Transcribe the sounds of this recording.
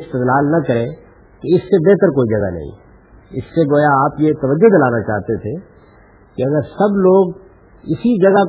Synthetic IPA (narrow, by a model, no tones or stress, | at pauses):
st̪ɪd̪laːlnɐkɐɾẽ | k̪eɪsːebɛɦt̪əɾkoːid͡ʒɐɡa̰nɐ̰ɦḭ̃ | ɪsːeɡoːjaaːpjet̪ɐʋəd͡ʒːʊd̪ɐlaːnat͡ʃa̰ːɦt̪et̪ʰe | kiɐɡəɾsɐbloːɡ | ɪsid͡ʒɐɡa